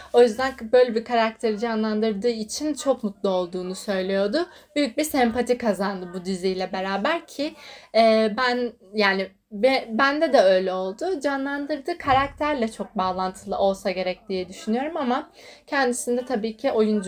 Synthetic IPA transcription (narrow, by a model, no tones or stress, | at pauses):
o̞jyzd̪ænbø̞jlʲɛbikʰaɾak̚t̪ʰe̞ɾid͡ʒanlˠand̪ɯɾd̪ɯːit͡ʃʰint͡ʃʰo̞kmut̪lˠao̞lˠd̪uːnusø̞jlʲejo̞d̪ʊbyjyc̚biɾsɛmpat̪ʰikʰazand̪ɯbud̪izijlʲɛbe̞ɾaːbæɾcʰɪɛːbæn | jaːni | bɛbænd̪ɛd̪ɛø̞jlʲɛo̞lˠd̪ʊd͡ʒanlˠand̪ɯɾd̪ɯːkʰaɾak̚t̪ʰæɾlʲɛt͡ʃʰo̞k̚baːlˠant̪ʰɯlˠɯʔo̞lˠsaɟe̞ɾɛc̚d̪ijɛd̪yʃynyjo̞ɾumamacʰɛnd̪isind̪ɛt̪ʰabiːcʰiʔo̞jund͡ʒ